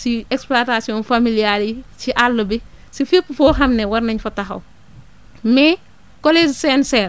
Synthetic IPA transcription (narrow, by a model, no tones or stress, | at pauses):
siɛkspluatasiɔːnfamilialit͡ʃiʔalːɐbi | sifepːufɔːxɐmnɛwɐrnɐɲfɐtɐxɐ̰w | mɛ | kɔled͡ʒsɛnsɛːr